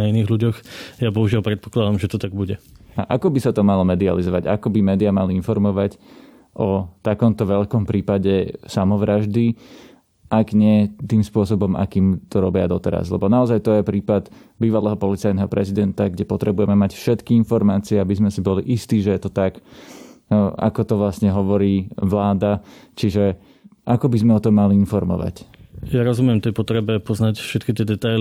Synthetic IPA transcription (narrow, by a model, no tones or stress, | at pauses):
ainiːɣluɟɔxjabɔɦuʒɪalpɾɛt̪̚pɔ̥klad̪amʒɛt̪ɔt̪aɡ̚buɟɛaʔakɔbisat̪ɔmalɔmɛd̪ia̰lizɔʋaɟakɔbimɛːd̪iamaliinfɔɾmɔʋac | ʔɔt̪akɔmt̪ɔʋɛʎkɔmpɾiːpaɟɛsamɔʋɾaʒd̪i | ʔaɡɲɪɛt̪iːmspʊɔsɔbɔma̰kiːmt̪ɔɾɔbɪad̪ɔt̪ɛɾa̰zlɛbɔnaɔzajt̪ɔjɛpɾiːpad̪ | biːʋalɛːɦɔpɔlit͡sajnɛːɦɔpɾɛzid̪ɛnt̪aɡɟɛpɔt̪ɾɛbujɛmɛmacfʃɛt̪kiinfɔɾmaːt͡siɛabizmɛsibɔlḭʔist̪iːʒɛjɛt̪ɔt̪ak | a̰kɔt̪ɔʋlasɲɛɦɔʋɔɾiːʋlaːd̪at͡ʃiʒɛ | ʔakɔbizmɛɔt̪ɔmːaliinfɔɾmɔ̰ʋa̰cjaɾɔzumɪɛmt̪ɛjpɔt̪ɾɛbɛpɔznacfʃɛt̪kit̪ɪɛd̪ɛt̪ajl